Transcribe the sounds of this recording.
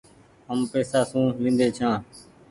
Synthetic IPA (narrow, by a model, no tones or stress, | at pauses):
ɦəmpeːsaːsũːʋĩːnd̪eːt͡ʃʰãː